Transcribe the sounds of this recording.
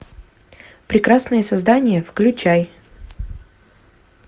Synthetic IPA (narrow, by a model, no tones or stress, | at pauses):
pɾʲɪkɾasnəjəsɐzd̪anʲɪjəfklʲʉt͡ɕaj